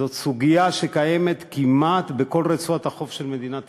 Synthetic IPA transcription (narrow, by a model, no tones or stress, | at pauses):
o̞t̪suɡijaʃekaje̞me̞t̪kimat̪beko̞lʁet͡suat̪haχo̞fʃe̞lme̞d̪inat̪